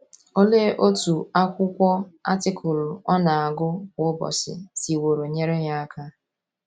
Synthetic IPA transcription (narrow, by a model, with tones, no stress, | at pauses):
o˦le˦ʔo˦tu˨a˦kʷʊ˦kʷɔ˦a̰˦tɪ˦kʰʊ˨lɔ˦na˨a˨ɡʊ˦kʷʊ˦bɔ̰˨sɪ̰˨si˨wo˨ɾo˨ɲe˦ɾe˦ɲa˦a˦ka˦